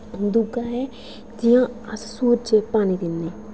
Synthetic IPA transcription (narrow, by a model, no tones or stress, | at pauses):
d̪uɡaːɦɛː | d͡ʒɪjãːəssuːɾt͡ʃepaːnid̪ɪnːeː